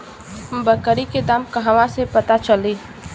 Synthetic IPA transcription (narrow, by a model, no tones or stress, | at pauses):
ɦmbəkəɾiked̪aːmkɐɦaʋãsepɐt̪at͡ʃəliː